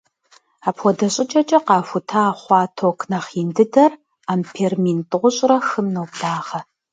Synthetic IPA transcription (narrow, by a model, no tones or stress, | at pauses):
aːpʰʷɔdɐɕʼɪt͡ʃʼɐt͡ʃʼɐqɑːfʷʊtʰaːχʷɑːtʰokʰnɐχiːndɨdɐr | aːmpʰeːrmintʼɨʁʷʊɕʼrɐxɨmnowkʼd̥aːʁɐ